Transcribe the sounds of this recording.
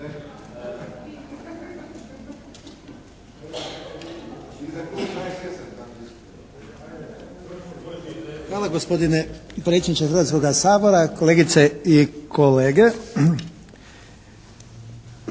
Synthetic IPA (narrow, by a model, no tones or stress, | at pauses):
xʋaːlˠaɡospod̪inepɾet̪sied̪it͡ʃ̪exɾr̩ɾʋat̪ko̞ɡasaːboɾakoleːɡit̪seikʰo̞leːɡe